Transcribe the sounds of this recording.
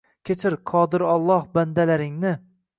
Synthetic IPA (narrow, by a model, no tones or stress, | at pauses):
kʲʰet͡ʃʰɪɾqʰɒd̪ɪɾɒlˠːɒhband̪alaɾɪŋnɪ